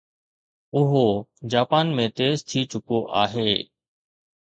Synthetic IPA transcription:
ʊɦod͡ʑaːpaːnmẽt̪eːzt̪ʰiːt͡ʃʊkoʔaːɦeː

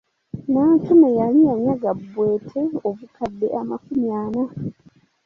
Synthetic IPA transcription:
naːntumejalijaɲaɡabːwe̞ːtʰe̞oβukadːe̞ʔamakumjaːno

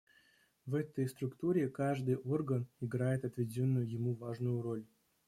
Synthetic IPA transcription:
vɛt̪əjst̪ɾʊkt̪uɾʲɪkaʐd̪ɨjʔo̞rɡənɪɡɾajɪt̪ɐt̪vʲɪdʲonːʊjʊjɪmuvaʐnʊjʊɾo̞lʲ

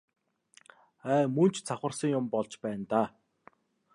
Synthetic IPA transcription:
æːmɵn̥t͡ɕʰt͡sʰaχə̆rsə̆ŋjʊmpɔɮt͡ɕpæːnt̪aː

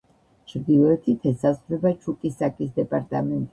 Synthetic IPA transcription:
t͡ʃʰɾd̪ivɛɛt̪ʰit̪ʰɛsazvɾɛbat͡ʃʰukʼisakʼisd̪ɛpʼaɾt̪ʼamɛnt̪ʼi

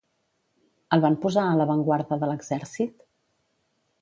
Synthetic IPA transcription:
əlˠβampuzaələβəŋɡwaɾðəðələɡzɛɾsit̪

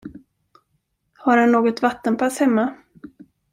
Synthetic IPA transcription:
haɾhanːoːɡɔt̪vat̪ːənpʰashɛmːa

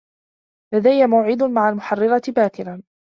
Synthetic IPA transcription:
lad̪ajːamawʕɪd̪maʕalmʊħɑrːɪɾˤɑt̪ɪbaːk̪ɪlan

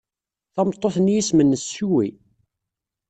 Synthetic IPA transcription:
θɑmt̪ˤːoθnjismənːəsːuwi

